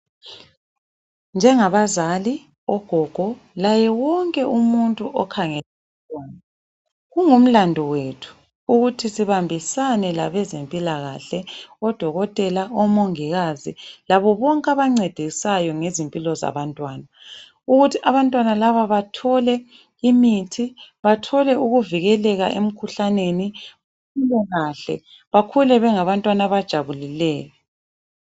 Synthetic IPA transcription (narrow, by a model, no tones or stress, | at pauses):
nd͡ʒʱɛŋaβazali | ɔɡ̥ʱɔɡ̥ʱɔlajɛwɔŋkʼɛʔumuntʼuʔɔkʰaŋɛlaatʼwaːna | ɣuŋum̩landʱɔwetʰu̥ | uɣutʰisiβambʱisanɛlaβɛzempʼilaɣa̰ɬɛɔd̥ʱɔɣɔtʼɛlaɔmoŋiɣazilaβɔβɔŋkʼaβaŋ͡ǀɛd̥ʱisajɔŋezimpʼilɔza̰βantʼwaːna | uɣutʰiʔaβantʼwanalaβaβatʰɔlɛ | imitʰiβatʰɔlɛuɣuviɣɛlɛɣaʔem̩kʰuɬaneniβakʰulɛɣaɬɛ̰ | βakʰulɛβɛŋaβantʼwanaβad̥ʒ̥ʱaβulilɛːjɔ